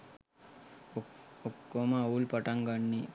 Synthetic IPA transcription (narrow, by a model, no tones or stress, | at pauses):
okːomaːulpəʈaŋɡanːi